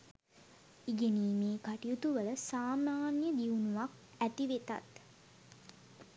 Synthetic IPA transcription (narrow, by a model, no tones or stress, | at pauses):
iɡeniːmeːkaʈijut̪uʋələsaːmaːnjəd̪iunuʋak | æʈiʋet̪a̰t̪